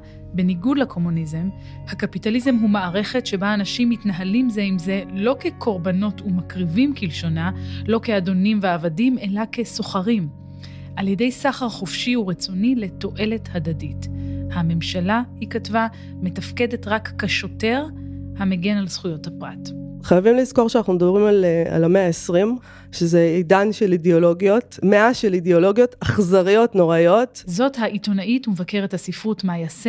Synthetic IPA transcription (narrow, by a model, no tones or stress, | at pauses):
be̞niɡudlakʰo̞munize̞m | hakapitalize̞mɦumaːʁe̞χe̞tʃe̞baːnaʃimːitnaɦalimze̞imze̞lo̞ke̞kʰo̞ʁbano̞tumakʁivimkilʃo̞naloke̞ado̞nimveavadime̞lake̞so̞χaʁim | ʔalje̞de̞jsaχaʁχofʃiuʁet͡sonile̞to̞ʔe̞le̞thadadithame̞mʃalahikatva | me̞tafke̞de̞tʁakːaʃo̞te̞ʁhameɡe̞nalsχujo̞thapʁa̰tχajavimlizko̞ʁʃeanaχnumed̪abʁimalea̰lameaesʁim | ʃezeedanʃelideolo̞ɡijo̞tmeaʃelideolo̞ɡjo̞taχzaʁijo̞tno̞ʁajo̞tzothaʔito̞naʔitumevake̞ʁethasifʁutmajase